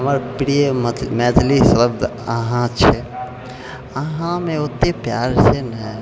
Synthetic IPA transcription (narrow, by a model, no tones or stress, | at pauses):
ɦəməɾpiɽiemd̪mɛd̪ʱlisəəbd̪əɦãt͡ʃʰɛ | əɦãmeot̪ːepjaɾsenə